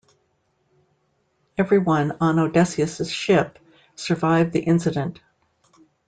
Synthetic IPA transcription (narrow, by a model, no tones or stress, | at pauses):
ɛvɹiwʌ̃nə̃noʊdɛsiɨsɨz̥ʃɪp̚ | sə˞vaɪvðiʔɪ̃nsɨɾɨ̃nt